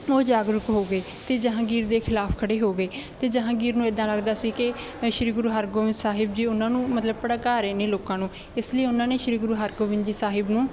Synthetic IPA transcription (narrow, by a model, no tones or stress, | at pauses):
oːd͡ʒaːɡɾʊkɦoːɡeː | t̪eːd͡ʒəɦãːɡiːɾd̪eːkʰɪlaːpʰkʰəɽeːɦoːɡeːt̪eːd͡ʒəɦãːɡiːɾnũːeːd̪ãːləɡd̪aːsiːkɪ | ʃɪɾiːɡʊɾuːɦaːɾɡoːʋɪ̃nd͡ʒ̪saːɦɪbd͡ʒiːʊnãːnũːmət̪ləb̚pəɽaːkaːɾeːneːloːkãːnũː | ɪsləiːʊnãːneːʃɪɾiːɡɾuːɦəːɾɡoːʋɪ̃nd͡ʒiːsaːɦɪbnũː